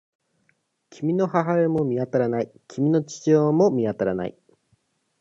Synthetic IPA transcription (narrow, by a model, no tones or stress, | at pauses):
kʲimʲino̞haɦaemo̞mʲiat̪aɾanaikʲʰimʲino̞t͡ɕi̥t͡ɕioːmo̞mʲiat̪aɾana̰ḭ